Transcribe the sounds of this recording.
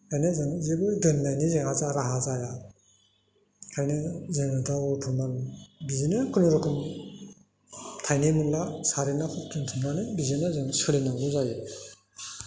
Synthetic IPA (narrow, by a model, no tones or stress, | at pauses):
kʰajnɯzɯŋizebɯdɯnːajnizeŋazaɾaɦazaja | kʰajnɯzɯŋɯdawupʰɯmanbizinɯkʰɯnɯɾɯkʰɯm | tʰajnemɯnlasaɾenakʰɯt̚dɯntʰɯmnanɯbizinɯzɯŋsɯlenaŋɡɯzajɯ